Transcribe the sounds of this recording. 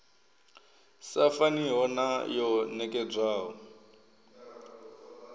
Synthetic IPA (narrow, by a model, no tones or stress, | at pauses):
safaniɦɔnajɔnɛkʼɛd͡zwaːɦɔ